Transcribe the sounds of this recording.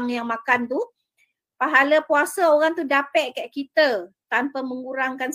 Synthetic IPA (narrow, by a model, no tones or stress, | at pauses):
ŋjaŋmãkant̪u | paɦaləpuasaoɾaŋt̪udapɛʔkaʔkit̪ət̪ampamə̃ŋuɾaŋkans